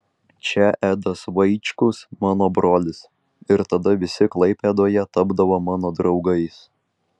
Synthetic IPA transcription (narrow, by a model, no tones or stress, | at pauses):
t͡ʃʲɛʔæːd̪ɐsʋɐɪt͡ʃʲkʊsmɑːnoːbɾoːlʲɪs | ɪɾt̪ɐd̪ɐʋʲɪsʲɪklˠɐɪpʲed̪oːjɛt̪ɐbd̪ɐʋomɑːnoːd̪ɾɒʊɡɐɪs